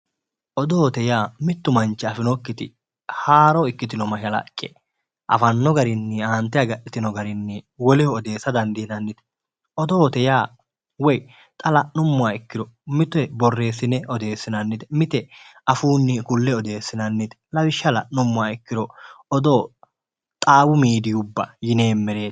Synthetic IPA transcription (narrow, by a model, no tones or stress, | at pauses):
ʔɔd̪oːt̪ɛjaːmɪt̪ːʊmɐnt͡ʃːɛɐfɪnɔkːɪt̪ɪ̰ | haːɾɔɪkːɪt̪ɪnɔmɐʃɐlɐ̰kʼːɛ̰ | ʔɐ̰fɐnːɔɡɐɾɪnːɪaːnt̪ːɛjɐɡɐʔɪt̪ɪnɔɡɐɾɪnːɪwɔlɛhɔɔd̪e̞ːsːɐd̪ɐnd̪ɪnɐnːɪt̪ɛ̥ | ɔd̪oːt̪ɛjaː | wɔj | t̪ʼɐlɐnʊmːʊaɪkːɪɾɔmɪt̪ʊɛbɔrːe̞ːsɪnɛʔɔd̪e̞ːsːɪnɐnːɪt̪ɛ̥mɪt̪ɛʔɐfuːnːɪkʊlːɛɔd̪e̞ːsːɪnɐnːɪt̪ɛ̥lɐwɪʃːɐlɐʔnʊmːʊaɪkːɪɾɔɔd̪o̞ː | t̪ʼaːwʊmiːd̪ɪjʊbːɐ̰jɪne̞ːmːɛɾe̞ːt̪